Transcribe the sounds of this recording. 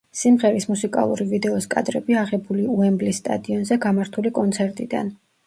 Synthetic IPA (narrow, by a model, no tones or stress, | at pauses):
simʁɛɾismusikʼa̰lˠṵɾivid̪ɛɔskʼa̰d̪ɾɛbiaʁɛbuliuɛmblisːt̪ʼa̰d̪iɔnzɛɡamaɾt̪ʰulikʼɔnt̪sʰɛɾt̪ʼid̪a̰n